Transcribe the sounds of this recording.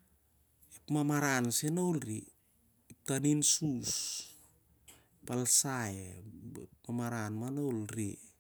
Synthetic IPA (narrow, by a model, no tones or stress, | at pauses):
epmamaɾansenolɾiː | p̚taninsus | epalsajḛpmamaɾanmanowlɾi